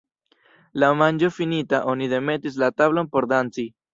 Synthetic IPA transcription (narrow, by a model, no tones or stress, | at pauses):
lamand͡ʒo̞finitaʔo̞nide̞me̞tis̬lataβlo̞npo̞ɾdant͡si